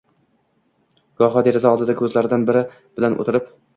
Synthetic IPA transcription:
ɡ̥ɒɦɒd̪e̞ɾɪzaɒlˠd̪ɪd̪akʲʰɵzlaɾɪd̪anbɪɾɪ | b̥ɪlanʔo̰t̪ʰɪɾɪp

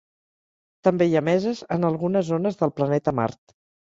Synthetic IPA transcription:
t̪əmbejamɛzəzənəlˠɣunəzːonəzðəlˠplənɛt̪əma̰ɾt̪

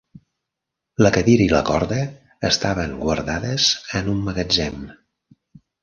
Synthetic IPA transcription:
ləkəðiɾiləkɔɾðəː | st̪aβəŋɡwəɾðaðəz̥ənumːəɣəd͡ʒɛm

